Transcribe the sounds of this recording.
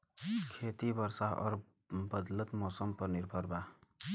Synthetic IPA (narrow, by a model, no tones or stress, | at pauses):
kʰet̪ibəɾsaɦɔ̰ːɾ | bəd̪lət̪mɔːsəmpəɾniɾbʱəɾba